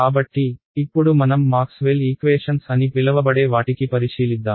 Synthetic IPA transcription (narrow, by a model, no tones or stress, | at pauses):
kaːbɐʈːiː | pːuɽumɐnɐmːaːksʋeːliːkʋeːʂɐnsɐnipilɐʋɐbɐɽeːʋaːʈikːipɐɾiʂiːlid̪ːaːm